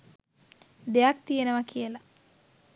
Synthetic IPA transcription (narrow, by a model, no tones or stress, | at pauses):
d̪ejak̚t̪ijenəʋakʰijəla